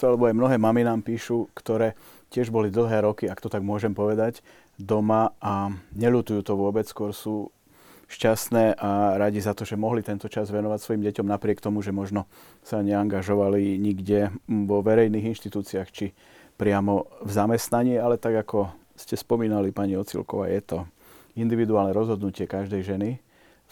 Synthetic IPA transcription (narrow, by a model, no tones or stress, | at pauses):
alɛbɔajmnɔɦɛːmaminaːmpiːʃukt̪ɔɾɛː | cɪɛʒbɔlid̪l̩ˠɦɛːɾɔkiakt̪ɔt̪aɡmʊɔʒɛmpɔʋɛd̪aɟ | d̪ɔmaʔaɲɛʎut̪ujuːt̪ɔʋʊɔbɛt͡sskʊɔɾsuː | ʃcasnɛːʔaɾaɟizat̪ɔʒɛmɔɦlit̪ɛnt̪ɔt͡ʃazʋɛnɔʋacsʋɔjimɟɛcɔmnapɾɪɛkt̪ɔmuʒɛmɔʒnɔ | saɲɛaŋɡaʒɔʋaliɲiɡɟɛʋɔʋɛɾɛjniːɣinʃt̪it̪uːt͡siaːxt͡ʃi | pɾɪamɔvzamɛst̪naɲiːalɛt̪aɡakɔ | scɛspɔmiːnalipaɲiɔt͡sḭlkɔʋa̰ːjɛt̪ɔ | ind̪iʋid̪uaːlnɛɾɔzɦɔd̪nucɪɛkaʒd̪ɛjʒɛni